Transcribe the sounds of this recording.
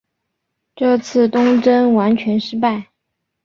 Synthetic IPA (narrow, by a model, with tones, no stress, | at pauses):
ʈ͡ʂɤ˥˧t͡sʰɹ̩˥˩t̪ʊ˥ŋʈ͡ʂə˥nwa˧˥nt͡ɕʰɥɛ˧˥nʂɻ̩˥pa˥˩ɪ